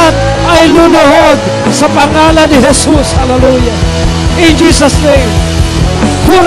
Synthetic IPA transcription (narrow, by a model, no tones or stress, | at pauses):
at̪̚ | ajlʊnʊhod̪̚ | sɐpaŋalanɪɦɛsushalɛluja | ɪ̃nd͡ʒiːsɐsnẽjm | kʊn